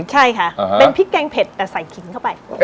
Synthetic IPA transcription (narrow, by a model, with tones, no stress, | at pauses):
t͡ɕʰa˥˩jkʰa˦˥˧pe˧npʰi˦˥kɛː˧ŋpʰe˨˩t̪ːɛː˨˩sa˨˩jkʰi˩˦ŋkʰa˥˩wpa˧j